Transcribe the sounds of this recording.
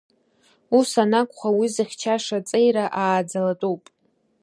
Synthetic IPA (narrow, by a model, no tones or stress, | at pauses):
usanakʷʼχʷawizɨχʲt͡ʃʰaʂat͡sʼejɾaʔaːd͡zalatʼuwpʼ